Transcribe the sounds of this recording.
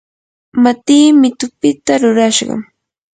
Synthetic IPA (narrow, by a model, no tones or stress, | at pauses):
mat̪iːmɪt̪ʊpɪt̪aɾʊɾaʃɢɑ̰